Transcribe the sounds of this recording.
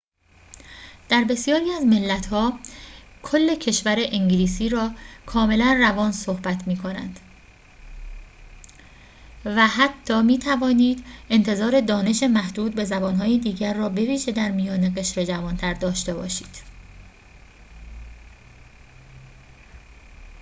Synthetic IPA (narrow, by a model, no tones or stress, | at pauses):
d̪̥æɾbe̞sijɒːɾiːæzme̞lːæt̪ʰhɒː | kʰo̞lːe̞cʰe̞ʃvæɾe̞ʔiŋɟliːsiːɾɒːkʰɒːme̞lænrævɒːnso̞hbæt̪ʰmiːkʰo̞næ̰nd̪̥ | væɦæt̪ʰːɒːmiːt̪ʰævɒːniːd̪e̞nt̪ʰe̞zɒːɾe̞d̪ɒːne̞ʃemæhd̪uːd̪̚be̞zæbɒːnɦɒːjid̪iːɟæɾːɒːbe̞viːʒe̞d̪æɾmijɒːneɣe̞ʃɾe̞d͡ʒævɒːnt̪ʰæɾd̪ɒːʃt̪e̞bɒ̰ːʃiːd̪̥